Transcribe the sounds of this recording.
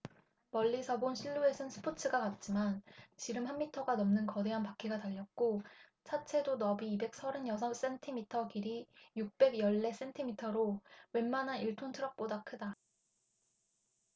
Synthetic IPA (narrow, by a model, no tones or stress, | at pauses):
mʌʎːisʰʌbonɕʰiɭːue̞sʰɯnsʰɯ̥pʰot͡ɕʰɯɡakat̚t͡ɕ͈imant͡ɕiɾɯmhanːitʰʌɡanʌmnɯnkʌde̞ɦanpak͈ʰiɡataʎːʌk̚k͈o | t͡ɕʰat͡ɕʰe̞donʌbiːbe̞k̚s͈ʰʌɾɯnjʌsʰʌms͈e̞ntʰimitʰʌkiɾijuk̚p͈e̞ɡjʌɭːe̞s͈e̞ntʰimitʰʌɾowe̞nmanɦaniɭtʰontʰɯɾʌk̚p͈odakʰɯda